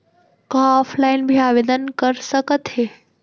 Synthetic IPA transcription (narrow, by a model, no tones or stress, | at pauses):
kaɔfʰlaɪnbʱiaʋed̪ənkəɾsəkət̪ɦe